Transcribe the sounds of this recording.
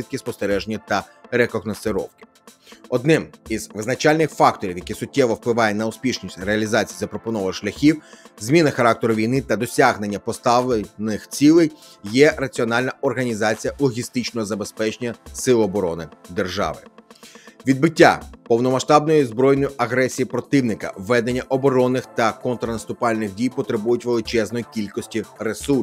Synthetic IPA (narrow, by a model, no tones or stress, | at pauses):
it̪̚kɪspɔst̪eɾɛʒenʲːɐt̪ɐɾekɔɣnɔsɪɾɔ̰wkɪ̥ | ɔd̪nɪmizʋɪznɐt͡ʃɑlʲnɪxfɑk̚t̪ɔɾʲiwjɐkʲisʊtʲːɛʋɔwplˠɪʋɑjɛnɐʊspʲiʃnʲisʲtʲreɐlʲizɑt͡sʲi̥jizɐpɾɔpɔnɔʋɐʃlʲɐxʲiwzmʲinɐxɐɾɑk̚t̪eɾʊʋʲijnɪt̪ɐd̪ɔsʲaɦne̞nʲːɐpɔst̪ɑʋlˠenɪxt͡sʲilˠej | jɛrɐt͡sʲiɔnɑlʲnɐɔrɦɐnʲizɑt͡sʲijɐlˠɔɦʲist̪ɪt͡ʃnɔɦɔzɐbe̞spɛt͡ʃenʲɐsɪlˠʊɔbɔɾɔnɪd̪e̞rʒɑ̰ʋɪ̰ | ʋʲid̪̚bɪtʲːa̰pɔwnɔmɐʃt̪ɑbnɔjizbɾɔjnɔjʊʔɐɦɾɛsʲijipɾɔt̪ɪwnɪkɐ̰ʋːɛd̪enʲːɐʔɔbɔɾɔnːɪxt̪ɐkɔnt̪ɾɐnɐst̪ʊpɑlʲnɪxdʲijpɔt̪ɾɪbujʊtʲʋe̞lˠɪt͡ʃɛznɔjikʲilʲkɔsʲtʲiresu